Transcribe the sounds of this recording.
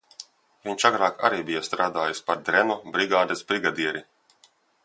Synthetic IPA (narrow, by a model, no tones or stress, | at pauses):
viɲʲʃaɡɾaːka̰ɾiːbijast̪ɾaːd̪aːjispaɾd̪ɾɛnɔbɾiɡaːd̪esbɾiɡad̪iɛɾi